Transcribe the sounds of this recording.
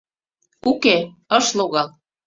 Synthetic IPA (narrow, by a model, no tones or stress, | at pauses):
uke | ɤ̆ʃloɣɑl